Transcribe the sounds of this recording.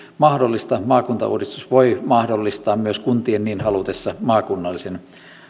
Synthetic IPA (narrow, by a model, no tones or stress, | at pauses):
mɑhdolːist̪ɑmɑːkunt̪ɑ̰ṵːrist̪usʋoimɑhdolːist̪ɑːmmyøskunt̪ienniːnhɑlut̪esːɑmɑːkunːɑlːisen